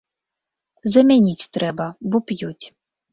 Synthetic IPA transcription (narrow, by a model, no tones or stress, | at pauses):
zɐmʲɛnʲitʲt̪ɾɛbɐbɔpjutʲ